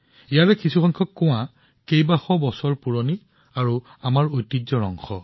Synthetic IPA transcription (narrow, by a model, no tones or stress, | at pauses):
ijaɹɛkisuxɔŋkʰɔkːʊw̃ã | kejbaxɔbɔsɔɹpuɹoni | aɹu | amaɹojtːizɔɹɔ̰ŋxɔ